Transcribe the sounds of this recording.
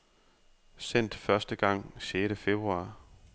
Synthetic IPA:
sen̰d̥fɶɐsd̥əɡ̥ɑ̈ŋ̰ɕeːɾ̥əfeb̥ʁuɑ̈ː

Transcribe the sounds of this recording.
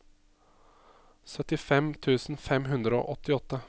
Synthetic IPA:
sœt̪ɪfɛmt̪ʰʉːsn̩fɛmɦʉnd̪ɾəo̰ːʔɔt̪ːɪɔt̪ːə

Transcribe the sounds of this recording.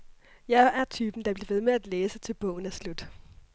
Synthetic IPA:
jɑ̈ɪæɐt͡sʰyːb̥n̩d̥ɑ̈b̥liɐʋe̝ðˠmeæd̥leːsət͡sʰe̝lb̥ɔ̰̽ːʊn̩æslud̥

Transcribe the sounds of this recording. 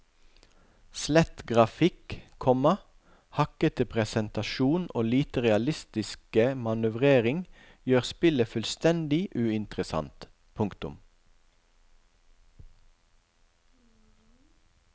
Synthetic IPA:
slɛt̪ɡʁɑfɪkkʰɔmɑ | hɑkət̪əpʰʁɛsɛnt̪ɑʃuːno̰ːliːt̪əʁɛɑlɪst̪ɪskəmɑnʉʋʁeːʁɪŋ | jøːʁspɪləfʉlst̪ɛnd̪ɪʔʉːɪnt̪ʁəsɑ̰nt̪ | pʰʊŋkt̪ʊ̰m

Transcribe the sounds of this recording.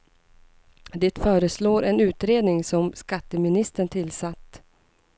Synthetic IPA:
d̪eːt̪fœːɾəsloːɾɛnʉ̟ːt̪ɾeːd̪nɪŋsɔmskat̪ːəmɪnɪst̪əɳt̪ʰɪlsat̪ː

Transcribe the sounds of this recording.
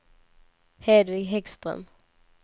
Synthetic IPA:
heːd̪vɪɡɦɛkst̪ʁə̰m

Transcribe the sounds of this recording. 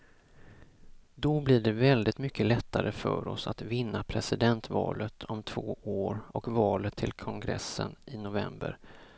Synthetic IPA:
d̪ɔblɪɖɛvɛld̪ɪt̪mʏkːəlɛt̪ʰːaɾəfœːɾɔsat̪vɪnːapʰɾɛsɪd̪ɛnt̪vɑ̰ːlət̪ʰɔmt̪ʰv̥oːoːɾɔkvɑːlət̪ʰːɪlkʰɔŋɡɾɛ̰sːə̰nʔɪnʊvɛmbə̰ɾ

